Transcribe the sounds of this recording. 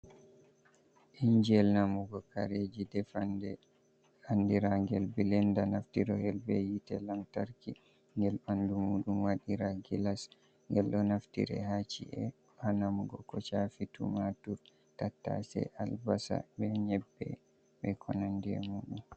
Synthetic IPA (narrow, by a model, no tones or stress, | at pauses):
ʔiɲd͡ʒɛlnamuɡɔkaɾed͡ʒidɛfandɛ | andiɾaɡɛlbilɛndanaftiɾɔhɛlbɛjitɛlamtaɾki | ŋɡɛlɓandumuːɗumwaɗiɾaɡilas | ŋɡɛlʔɔnaftḭɾɛ̰hat͡ʃḭʔɛ | banamuɡɔkɔt͡ʃafitṵmatuɾ | tatːa̰sɛ̰ʔalbasa̰bɛɲɛbːɛ̰ | ɓɛkʰɔnandiɛ̰muːɗum